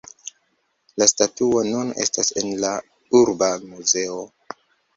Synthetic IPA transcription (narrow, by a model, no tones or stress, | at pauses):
lastatuonune̞̰stase̞nla | uɾbamuze̞o